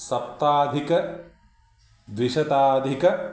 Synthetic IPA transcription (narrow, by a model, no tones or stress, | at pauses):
sɐp̚t̪aːd̪ʱikɐ | ʋiʃɐt̪aːd̪ʱikɐ